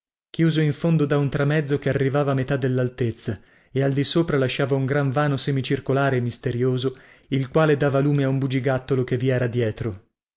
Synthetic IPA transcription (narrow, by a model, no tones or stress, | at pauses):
kjuːzoiɱfond̪od̪aunt̪ɾamɛd̪zːokearːivaːvaːmet̪ad̪ːelːalt̪et̪sːa | eald̪isoːpɾalaʃːaːvauŋɡɾaɱvaːnosemit͡ʃirkolaːɾeːmːist̪eɾjoːzoilkwaːled̪aːvaluːmeaumbud͡ʒiɡat̪ːolokevːiɛːɾad̪jɛːt̪ɾo